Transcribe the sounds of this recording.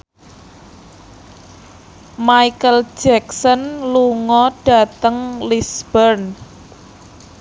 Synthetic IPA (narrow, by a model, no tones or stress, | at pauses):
maikəl̥d͡ʒ̥ɛksɔnluŋɔɖ̥a̤t̪əŋlisb̥ərn